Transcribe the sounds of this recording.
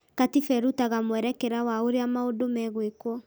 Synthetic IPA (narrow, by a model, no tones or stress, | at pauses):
katifɛɾutaɣamwɛɾɛkɛɾawaoɾeamaodomɛɣwekwɔ